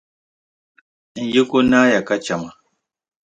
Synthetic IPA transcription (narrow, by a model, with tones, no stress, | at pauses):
ŋ̩˨˦ji˦ku˦na˦ja˨ka˦t͡ʃa˨ma˨